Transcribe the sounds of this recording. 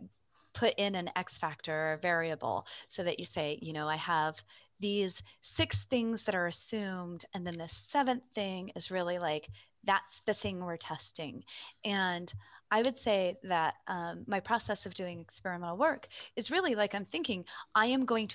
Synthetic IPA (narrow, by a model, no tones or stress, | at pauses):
pʰʊɾʔɪ̃nɨ̃nɛ̰ksfæk̚tə˞vɛɹiɨbl̩ˠsoʊðɨt͡ʃɨseɪjɨñoʊaɪəvðiz̥sɪksθɪ̃ŋzðɨɾə˞ɨsʉ̃mdɨ̃nðɨ̃nðɨsɛvɨ̃nθθɪ̃ŋɨzɹɪlˠilaɪk | ðætsðɨθɪ̃ŋwɪɹtʰɛstɪ̰̃ŋʔɨ̃nʔaɪwɨd̥seɪðɨt̚ʔʌ̃mːaɪpʰɹ̥ɑsɛsʌvdʉɪ̃ŋɨkspɛɹɨmɛ̃ñl̩ˠwɜ˞kɨzɹɪlˠilaɪkãɪ̃mθɪ̃ŋkɪ̃ŋʔaɪɨ̃mɡoʊɪ̃ŋtʰ